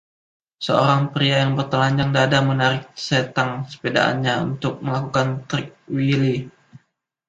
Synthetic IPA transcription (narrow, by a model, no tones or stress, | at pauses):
səoɾaŋpɾiajaŋbərt̪əlaɲd͡ʒaŋdadamənaɾɪk̚set̪aŋsə̥peda̰ʔa̰nɲaṵnt̪ʊk̚məlakukant̪ɾɪk̚wili